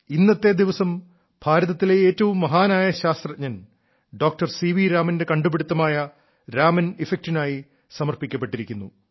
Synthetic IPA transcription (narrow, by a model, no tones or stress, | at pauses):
inːɐt̪ːe̞d̪iʋɐsɐm | bʱaːɾɐðɐt̪ːile̞eːtːɐʋumːɐɦaːnaːjɐɕaːst̪rɐɲɐn | ɖo̞ːk̚ʈɐrsiʋiɾaːmɐnde̞kɐɳɖubiɽut̪ːɐmaːjɐ | ɾaːmɐnifek̚tinaːji | sɐmɐrpikʲːɐp̬ːe̞ʈːiɾikʲːunːu